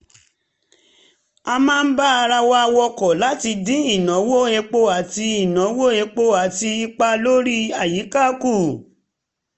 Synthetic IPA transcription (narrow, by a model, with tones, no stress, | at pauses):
a˧mãː˦n̩˦ba˦a˧ɾa˧wa˦˧wɔ˧kɔ˨la˦ti˧dĩ˦i˦˨nã˨˦wo˦e˧k͡po˦a˨ti˧i˦˨nã˨˦wo˦e˧k͡po˦a˨ti˧i˧k͡pa˧lo˦ɾi˦a˨ji˨˦ka˦˨ku˦˨